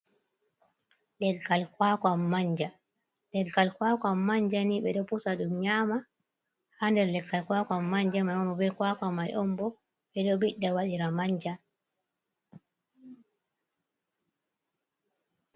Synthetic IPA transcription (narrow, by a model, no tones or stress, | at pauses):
ɗɛɡːalkwakamːaɲd͡ʒa | lɛɡːalkwakamːaɲd͡ʒaniɓɛɗɔpusaɗumɲaːma | handɛɾlɛɡːalkwakamːaɲd͡ʒamajɔmbɔbɛkwakamajʔɔmbɔ | ɓɛɗɔbiɗːawaɗiɾamaɲd͡ʒa